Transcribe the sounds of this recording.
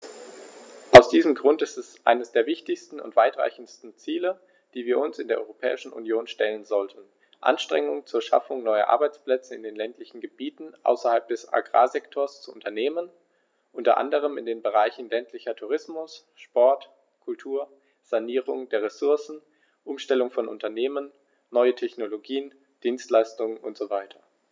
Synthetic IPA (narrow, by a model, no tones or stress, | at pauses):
ʔaʊsd̥iːzəm̩ɡʁʊntɪstɛsʔa̰ɪnəsd̥eːɐvɪçtɪçstn̩ʊ̰ntv̥aɪtʁ̥a̰ɪçn̩stn̩t͡siːlə | d̥iːviːɐʊnsɪndeːɐʔɔʏʁopʰɛ̰ːɪʃn̩ʔṵnjoːnʃtɛlənzɔltʰn̩ | ʔa̰nʃtʁ̥ɛ̰ŋʊŋt͡suːɐʃa̰fʊŋnɔʏɐ̰ʔa̰ɐbaɪt͡spl̥ɛt͡səɪ̰ndeːnlɛntʰlɪçn̩ɡəbiːtn̩ʔa̰ʊsɐhalp̚d̥ɛsa̰ɡʁa̰ːzɛktʰoɐst͡suʔʊntʰɐneːmən | ʔʊntɐ̰ʔa̰ndəʁ̞əmɪndeːnbəʁ̞aɪçn̩lɛntʰlɪçɐtʰuʁ̞ɪsmʊs | ʃpɔɐt | kʰʊltʰuːɐ | z̥aniːʁʊŋdeːɐʁesʊɐsn̩ | ʔʊmʃtɛlʊŋfɔnʔʊ̰ntɐneːmənː | ɔʏətʰɛçnoloɡiːən | d̥iːnstlaɪstʊŋnʊ̰ntz̥ovaɪtʰɐ̥